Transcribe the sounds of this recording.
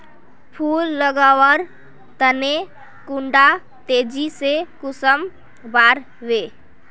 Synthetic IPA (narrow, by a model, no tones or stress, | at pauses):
pʰulːəɡawəɾ | t̪əne | kuɳɖa | t̪ed͡ʒisekusəm | baɾ | ʋe